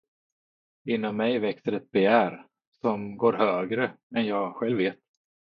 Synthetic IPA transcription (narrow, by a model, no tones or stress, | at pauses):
ɪnːɔmːɛjvɛksəɾɛt̪̚bɛjæːɾ | sɔmɡoːɾhøːɡɾə | ɛnjɑːɡɧɛlvːeːt̪̚